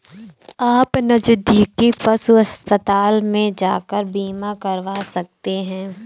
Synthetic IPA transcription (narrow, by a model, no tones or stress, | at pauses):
aːpnɐd͡ʒʊd̪ʱikifɐsuɐspət̪aːlmẽd͡ʒaːkəɾbiːmakɐɾʋaːsɐk̚t̪eɦɛ̃ː